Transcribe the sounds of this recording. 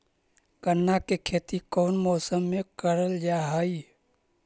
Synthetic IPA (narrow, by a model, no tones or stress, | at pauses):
kənːakekʰeːt̪ikɔːnmɔːsəmːẽkəɾəld͡ʒaːɦəi